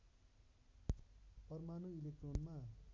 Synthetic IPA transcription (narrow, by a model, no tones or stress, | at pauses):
pʌrmanuilek̚ʈronma